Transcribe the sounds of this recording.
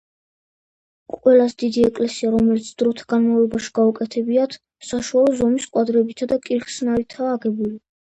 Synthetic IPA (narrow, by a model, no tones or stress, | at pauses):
qʼwɛlasd̪id̪iɛkʼlɛsiaɾɔmɛlit̪sʰd̪̥ɾɔt̪ʰaɡanmavlɔbaʃi̥ɡaukʼɛt̪ʰɛbiat̪ʰ | saʃualˠɔzɔmiskʼwad̪ɾɛbit̪ʰad̪akʼiɾχsnavit̪ʰaːɡɛbuli